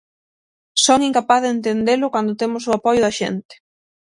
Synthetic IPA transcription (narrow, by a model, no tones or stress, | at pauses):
sɔŋiŋkapaθðent̪end̪elʊkand̪ʊt̪emʊsʊapɔjʊðɐʃḛnt̪ɪ̥